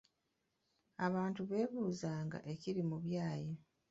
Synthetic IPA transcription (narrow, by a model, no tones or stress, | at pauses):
aβaːntuβe̞ːβuːzaːŋɡa̰ʔe̞ciɾimuβjaːje